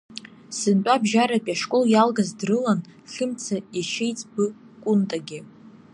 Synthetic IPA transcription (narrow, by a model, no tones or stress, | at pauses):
sɨnt͡pʷʼabʒaɾapʼaʂkʼoljalɡazdrɨlanɬɨmt͡sʰaiʃejt͡sʼbɨ | kʷʼʊntʼaɡʲɪ